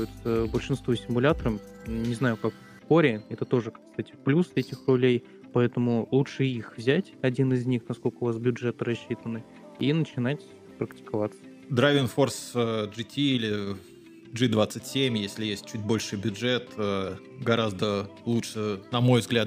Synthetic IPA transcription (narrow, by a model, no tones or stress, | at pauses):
jɪt̪səbəlʲʂɨnst̪vusʲɪmʊlʲat̪əɾəmnʲɪznajʊkak | koɾʲɪɛt̪ət̪o̞ʐɨkɐkst̪atʲɪ̥plʲusɛtʲɪxrʊlʲej | pɐɛt̪əmʊlˠutʂɨixvzʲætʲɐdʲinɪzʲnʲixnɐsko̞lʲkəʊvas̬bʲʊdʐɛt̪ɨɾɐɕːit̪ənːɨ | inət͡ɕɪnatʲ | pɾəktʲɪ̥kɐvat̪sə̥ | d̪ɾavʲɪnfo̞rsʐɨtʲiilʲɪ | d͡ʐɨd̪vat̪sɨtʲsʲemʲjesʲlʲɪjesʲt̚ʲt͡ɕut̚ʲbo̞lʲʂɨjbʲʊd͡ʐɛt̪ə | ɡɐɾazd̪əlˠuʂɨnɐmo̞jvzɡlʲat̪